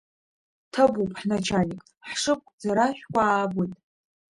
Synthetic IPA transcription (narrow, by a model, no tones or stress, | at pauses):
tʰabupʼħnat͡ʃʰanikʼ | ħʂɨp̚ʼkʷʼd͡zaɾaʃᶣkʷaːbɨtʼ